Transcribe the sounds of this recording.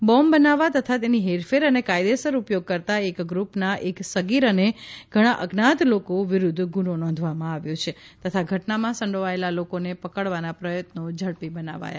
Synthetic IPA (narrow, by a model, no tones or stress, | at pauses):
bɔmbənaʋat̪ət̪ʰat̪eniɦeɾfeɾənekajd̪esəɾupjoɡ̚kəɾt̪aekɡɾupnaʔeksəɡiɾəneɡ̥ʱəɽ̃aʔəɡnat̪lokoʋɪɾud̪ʱɡunonɔ̃nd̪ʱʋamãaʋjot͡ʃʰet̪ət̪ʰaɡʱəʈnamãsə̃ɳɖoʋaelalokonepəkəɽʋanapɾəjət̪nod͡ʒʱəɭpibəna̰ʋa̰ja̰